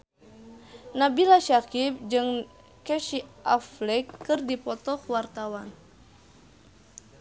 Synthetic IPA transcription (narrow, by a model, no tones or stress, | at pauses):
nabilaʃakip̚d͡ʒɨŋ | kɛʃiʔaflɛkːɨrdipɔt̪ɔkwart̪awan